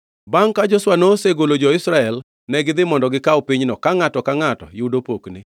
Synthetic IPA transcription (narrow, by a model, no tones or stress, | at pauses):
baŋkad͡ʒɔswanoseɡolod͡ʒɔɪsɾaɛl | nɛɡɪd̪ɪmɔndɔɡɪkaopiɲnɔkaŋatɔkaŋatɔ̰judopoknɪ